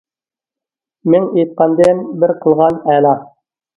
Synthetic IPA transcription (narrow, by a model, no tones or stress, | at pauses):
mɘŋit̪̚qɑnd̪enbɘɾqɤ̆lˠʁɑnælɑ